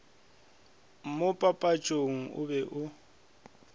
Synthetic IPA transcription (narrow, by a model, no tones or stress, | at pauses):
mʊpʼapʼat͡ʃʼoŋ̩ʊ̰bɛʔʊ